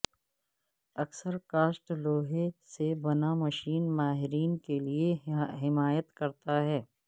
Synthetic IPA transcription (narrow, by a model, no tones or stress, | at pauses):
ɐksəɾkaːsʈloːɦesebɐnamɐʃiːnmaːɦɪɾiːnkelieɦɪmaːjət̪kɐɾt̪aɦɛː